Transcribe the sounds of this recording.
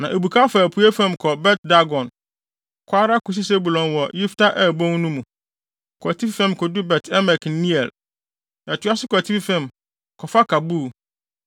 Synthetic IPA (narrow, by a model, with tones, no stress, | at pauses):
nã˨ʔe˨bu˨kʰa˦fa˨æ˨pʰu˨˦e˦fɛ̃˦˨mkʰɔ˨bɛ˦t̚da˦ɡɔ̃˨n | kʰʷaː˦ɾa˦kʰu˨s̬i˦se˦bu˨lɔ̃˨nwɔ˨ji˦ftʰa˦ʔɛ˦˨bõ˦ŋ˦nũ˦mũ˨ | kʰɔ˨tʰi˦ffɛ̃˦˨mkʰɔ˨dʊ˦bɛ˨tʰɛ˦mɛ˨knĩ˦ɛ˨l | a˨tʰu˦a˦sɪ˦kʷɔ˨tʰi˦ffɛ̃˨m | kʰɔ˨fa˦kʰa˨bu˦˨